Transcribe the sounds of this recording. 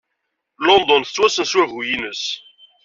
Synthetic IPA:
lɔnd̪ɔnθə̥t͡sːwæsənswævujinəs

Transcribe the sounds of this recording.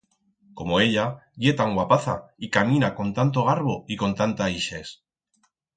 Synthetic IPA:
ko̞mo̞e̞ʎaʝe̞t̪aŋɡwapaθa̰ikamĩnako̞nt̪ant̪̬o̞ɣ̞aɾβo̞iko̞nt̪ant̪aiʃe̞s

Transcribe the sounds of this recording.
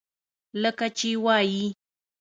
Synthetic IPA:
lakat͡ʃiwaji

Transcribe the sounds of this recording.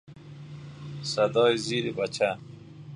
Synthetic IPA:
sɐd̪ɔːjiziːɾibat͡ʃa

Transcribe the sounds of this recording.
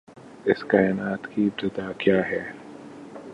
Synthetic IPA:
ɪskaːɪnaːt̪kip̚t̪ɪd̪aːkjaːɦɛː

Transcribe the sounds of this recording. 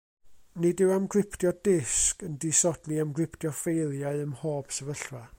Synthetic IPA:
nɪdɪwamɡrɪpʰtjɔdɪskəndisɔd̥lˠiamɡrɪpʰtjɔfejlˠjaɨəmhoːb̥səvəɬra

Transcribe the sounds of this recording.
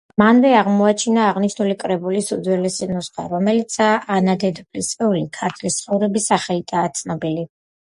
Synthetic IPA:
manvɛaʁmɔat͡ʃʰinaːʁniʃnulikʼɾɛbulisud̪zwɛlɛsinusχa̰ɾɔmɛlit̪sʰaʔanad̪ɛd̪upʼlist̪sʼɛulikʰaɾt̪ʰlist̪sʰχɔvɾɛbisaχɛlit̪ʼaːt̪sʰnɔbili

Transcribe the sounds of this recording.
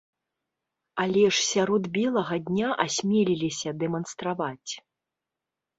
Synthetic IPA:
alʲɛʂsʲaɾɔd̪bʲɛlˠɐɣɐd̪ʲnʲaʔasʲmʲɛlʲilʲisʲɐd̪ɛmɐnst̪ɾavat͡sʲ

